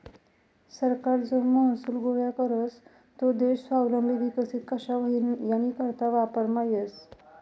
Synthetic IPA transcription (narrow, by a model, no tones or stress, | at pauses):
səɾkaɾd͡zomməɦəsuːlɡojakəɾəs | t̪od̪eɕsawləmbʱiʋikəsit̪̚kəɕaʋəɦinjanikəɾt̪aʋapəɾmajes